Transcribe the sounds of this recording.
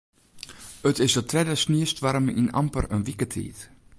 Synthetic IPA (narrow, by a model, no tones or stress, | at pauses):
ətɪsdətʰrɛdəsniəstʋaɾmina̰mpərənʋikətʰḭːt